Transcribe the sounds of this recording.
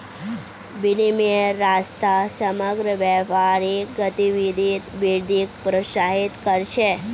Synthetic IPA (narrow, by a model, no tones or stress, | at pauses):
bilimiəɾːast̪asəməɡɾəʋɛpaɾiɡət̪iʋid̪ʱit̪ʋiɾd̪ʱik̚pɾosaɦit̪kəɾʃe